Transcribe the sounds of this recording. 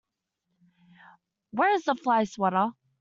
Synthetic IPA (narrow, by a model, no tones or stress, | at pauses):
wə˞ɨzðəflaɪswɔɾˠ